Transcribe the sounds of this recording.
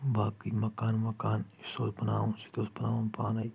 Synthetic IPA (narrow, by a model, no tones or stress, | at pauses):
bʱaːkimɐkaːnmɐkaːn | soːlpɐna̰ːʋõsi̥t̪oːspɐnaːʋonpaːnai